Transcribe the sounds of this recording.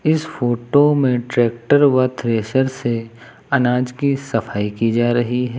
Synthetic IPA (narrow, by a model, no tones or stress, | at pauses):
ɪsfoːʈomẽʈɾɛːk̚ʈəɾʋat̪ʰɾeːʃəɾse | ɐnaːd͡ʒkisɐfaːikid͡ʒaːɾɐɦiɦɛː